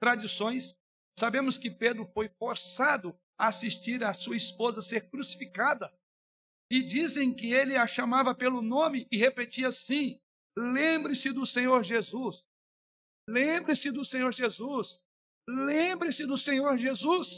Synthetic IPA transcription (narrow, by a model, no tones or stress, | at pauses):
t̪ɾad͡ʒisõj̃sː | abẽmʊskɪped̪ɾʊfojfoɾsad̪ʊ | aasist͡ʃiɾɐsuɐispozɐseɾkɾusi̥fikad̪ɐ | ɪd͡ʒizẽj̃kɪelɪaʃamavɐpelʊnõmɪɪhepet͡ʃiɐsĩ | lẽmbɾɪ̃sɪd̪ʊsẽɲoɾʒezus | lẽbɾɪ̃sɪd̪ʊsẽɲoɾʒezus | lẽbɾɪ̃sɪd̪ʊsẽɲoɾʒezus